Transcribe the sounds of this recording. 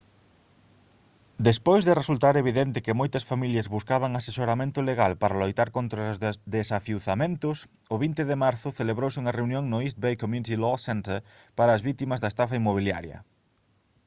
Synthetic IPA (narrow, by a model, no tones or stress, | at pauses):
d̪espojzðɪresult̪aɾeβ̞iðɛnt̪ɪkɪmojt̪ɐsfamiljɐzβuskaβɐŋasesoɾamẽnt̪ʊleɣalpaɾɐlojt̪aɾkont̪ɾazd̪esafiuwθamẽnt̪ʊs | ʊβint̪ɪðɪmaɾθʊθeleβɾowsɪuŋɐrewnjoŋnʊist̪̚bejkomjunit̪ilosɛnt̪eɾpaɾɐːzβit̪imɐzðɐest̪afaimoβ̞ilja̰ɾjɐ̰